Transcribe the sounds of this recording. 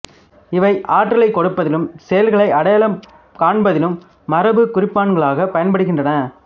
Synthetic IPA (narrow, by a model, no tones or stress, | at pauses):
ɪʋɐɪʔaːʈːrɐɭɐɪkːɔɽɯpːɐðɪlɯmsɛjɐlɣɐɭɐɪʔɐɽɐjɐlɐm | kaːɳbɐðɪlɯmː | ɐɾɐbɯkʊrɪpːaːɳɡɐɭaːɣɐpɐjɐnpɐɽɯɣɪndrɐnɐ